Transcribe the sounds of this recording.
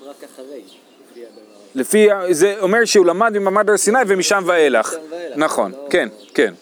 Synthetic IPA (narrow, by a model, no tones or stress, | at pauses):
lefiazeomeʁʃeulamad̪mimamad̪aʁsinajvemiʃamvaelaχnaχo̞̰nke̞nkḛn